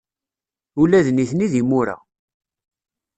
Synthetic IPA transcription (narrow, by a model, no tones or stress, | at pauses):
ulæðniθniðimʊɾa̰